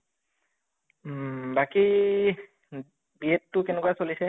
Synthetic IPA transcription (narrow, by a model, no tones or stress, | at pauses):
baki | biɛtːʊkenɛkuwasolisɛ